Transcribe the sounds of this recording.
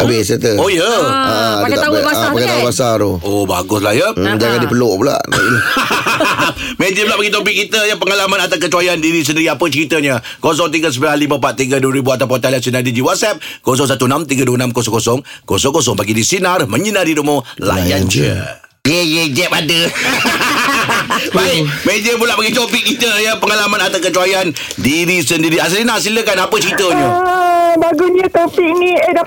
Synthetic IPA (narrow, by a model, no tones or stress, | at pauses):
abɪsət̪əojəaaaakat̪abasaɾooba̰ɡʊslajəd͡ʒaŋandipəloʔpula̰ʔa̰ɡi | med͡ʒiplaʔbaɡit̪̬opɪk̚kːit̪əjəpəŋalamanat̪ak̬ət͡ʃuajandiɾis̬əndiɾiapət͡ʃəɾit̪əɲə | kos̬ɔŋt̪̬iɡəs̬əmbilanlimə̃pat̪̚ːiɡəduwəɾibuat̪ap̬ot̪alas̬inadid͡ʒiwat̪̚sɛp̚kos̬ɔŋs̬at̪unamt̪iɡəduwənamkɔsɔŋkosɔŋkosɔŋkosɔŋpaɡidisinarməɲənardidomõla̰ja̰nd͡ʒə̰ | jejed͡ʒɛp̚adə | bajmed͡ʒəmulaʔpaɡit͡ʃ̪opik̚kit̪əjəpəŋalamãnat̪awkət͡ʃuajan | diɾisəndiɾias̬linasiləkanapət͡ʃəɾit̪əɲə | baɡunɲət̪opik̚niəda